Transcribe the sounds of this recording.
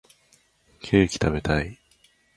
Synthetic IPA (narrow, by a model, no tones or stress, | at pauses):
kʰe̞ːkʲi̥t̪ʰaβe̞t̪ai